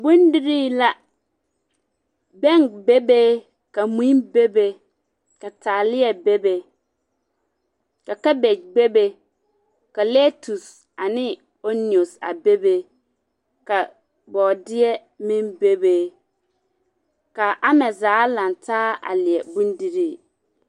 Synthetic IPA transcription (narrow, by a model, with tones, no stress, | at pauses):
bu˦ndi˦ɾi˦la˦ | bɛ˦ŋbe˦beː˦ | ka˨mi˦nbe˦be˦ | ka˨taː˨lɪ˦ɛ˨be˦be˦ | ka˨ka˦be˨d͡ʒbe˦be˦ | ka˨le˦tu˨s | a˨nɪ˦ | o˦ni˨o˨sa̰˨be˦be˦ | ka˨ | bɔː˨dɪ˦ɛ˦ | mɪ̃˦nbe˦beː˦ | ka˨ʔa˦mɛ˨zaː˨˦la˨ntaː˦a̰˨lɪ˨ɛ˨bu˦ndi˦ɾi˦˨